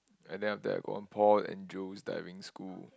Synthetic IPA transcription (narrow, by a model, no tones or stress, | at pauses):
ɛ̃ndɛ̃naftəa̰ɡo̰ɔ̃npʰɔtɛ̰̃nd͡ʒosda̰ɪvĩŋskul